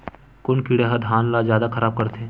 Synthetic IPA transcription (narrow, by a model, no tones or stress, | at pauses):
kʊnkiːɽeɦɐd̪ʱaːnlazjaːd̪akʰɐɾaːb̚kɐɾt̪ʰeː